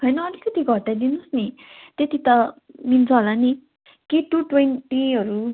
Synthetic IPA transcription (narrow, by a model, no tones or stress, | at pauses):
ɦʌjnʌːlikʌt̪iɡʱʌʈːajd̪inusni | t̪et̪it̪ʌ | mint͡sʰʌɦolani | kiʈuʈwenʈiɦʌɾu